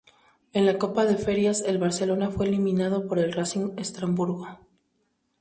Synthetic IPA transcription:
e̞nlako̞paðe̞fe̞ɾjase̞lβaɾse̞lo̞nafwe̞ːlimĩnað̞o̞po̞ɾe̞lrasinest̪ɾambuɾɣo

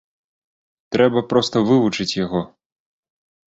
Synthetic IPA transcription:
t̪ɾɛbɐpɾɔst̪ɐvɨvut͡ʂɨt͡sʲjaɣɔ

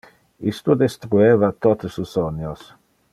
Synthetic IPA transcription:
ist̪ud̪est̪ɾuevat̪ot̪susonjos

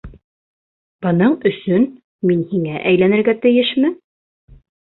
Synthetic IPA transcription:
b̥ɤ̆nɤɴɵ̆sɵn | minhiŋæʔæjlænɘ̆ɾɡæt̪ɘ̆jɘʃmɘ

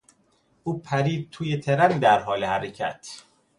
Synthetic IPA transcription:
ʔuːpʰæɾiːd̪̚t̪ʰuːjet̪ʰeɾænd̪æɾɦɒːlehæɾecʰæt̪ʰ

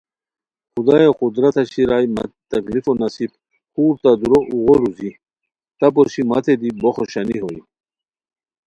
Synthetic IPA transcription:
xud̪ajexud̪ɾat̪ʰaɕiɾajma̰t̪aklifonɐsib | xuːɾt̪ad̪uɾoʔuɣoɾuzi | t̪ap̬ɔɾɕimat̪ʰed̪iboxoɕaniɦoj

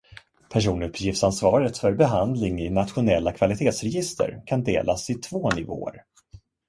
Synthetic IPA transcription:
pʰæʂ̬uːnɵpʰːjɪft̪sansvɑːɾət̪fœɾbɛɦand̪lɪŋɪnat̪ɧʊnɛlːakʰvalɪt̪ʰeːt̪sɾɛjɪst̪ʰə̰ɾkʰand̪ḛːlʔasɪt̪ʰvoːnɪvo̰ːə̰ɾ

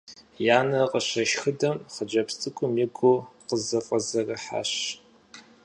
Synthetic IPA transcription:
jaːnɐqʼəɕɐʃxɨdɐmχəd͡ʒɐpstʼɨkʷʰʼʊmjɪɡʷʊqəzɐqʼəzɐrɐħa̰ɕ

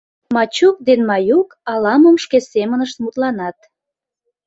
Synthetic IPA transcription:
mɑt͡ɕuk̚d̪enmɑjukɑlɑməmʃkesemənəʃt̪mut̪lɑnɑt̪̚

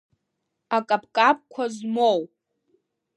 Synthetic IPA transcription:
akʼapʰʼkʼap̚ʼkʷʰazmow

